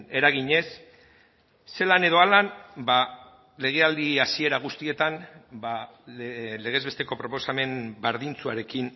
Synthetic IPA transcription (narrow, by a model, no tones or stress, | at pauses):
e̞ɾaɣ̞iɲe̞s | e̞lane̞ð̞o̞alanba | le̞ɣ̞e̞ald̪iasie̞ɾaɣ̞ust̪ie̞t̪anba | le̞ɣ̞e̞zβe̞st̪e̞ko̞pɾo̞po̞same̞mbaɾðint͡sua̰ɾe̞kin